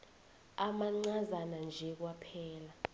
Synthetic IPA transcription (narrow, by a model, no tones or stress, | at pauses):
amaŋ͡ǀazanand͡ʒʱɛk̬wapʰɛːla